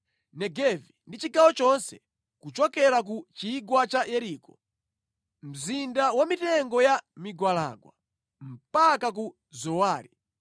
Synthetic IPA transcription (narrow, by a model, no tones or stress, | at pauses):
nɛɡɛvindit͡ʃiɡawɔt͡ʃɔnsɛ | kut͡ʃɔkɛɾak̬ut͡ʃiɡwat͡ʃajɛɾiːkɔ | m̩zindawamitɛŋɡɔjamiɡwala̰ɡwa̰ | m̩pakaku | zɔwaːɾi